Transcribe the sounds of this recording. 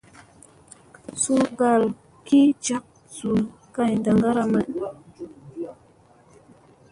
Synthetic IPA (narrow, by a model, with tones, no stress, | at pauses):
su˦ɡa˨l | ki˦t͡ʃa˦k̚ | su˨l | ka˦˨ɲnda˨ŋɡa˦ɾa˦ma˨n